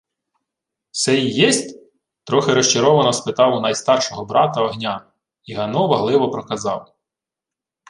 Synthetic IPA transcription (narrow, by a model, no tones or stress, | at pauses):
sɛijɛsʲtʲ | t̪ɾɔxɪɾɔʃt͡ʃɐɾɔʋɐnɔspɪt̪ɑwʊnɐjst̪ɑrʃɔɦɔbɾʔɑt̪ɐɔɦnʲa | iɦɐnɔʋɐɦlˠɪʋɔpɾɔkɐzɑw